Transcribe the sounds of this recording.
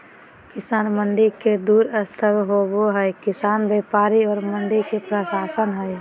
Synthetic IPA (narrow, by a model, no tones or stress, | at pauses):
kɪsaːnməɳɖiked̪uːɾəst̪ʰəbɦoboɦɛjkɪsaːnbeːpaːɾiɔːɾməɳɖikepɾəʃaːsənɦɛj